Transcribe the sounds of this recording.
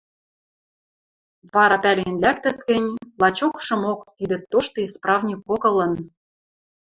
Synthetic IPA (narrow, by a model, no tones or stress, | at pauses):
βɑɾɑpælenlækt̪ə̆t̪kɘ̆nʲlˠɑt͡ɕokʃɤ̆mokt̪id̪ɘ̆t̪ːoʃt̪ŏisprɑvnʲikːokɤ̆lɤ̆n